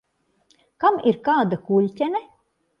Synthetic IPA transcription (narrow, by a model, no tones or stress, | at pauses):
kamiɾkaːd̪akulʲtʲɛnɛ